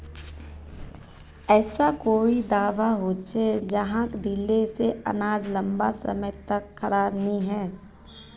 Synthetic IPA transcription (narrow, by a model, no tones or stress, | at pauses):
ɛːsakoːid̪aːʋaɦoːt͡ʃed͡ʒɐɦãkd̪ɪlːeseɐ̰naːd͡ʒlɐ̃mbasə̰məjt̪ɐkʰːɐɾaːbnəiɦɛː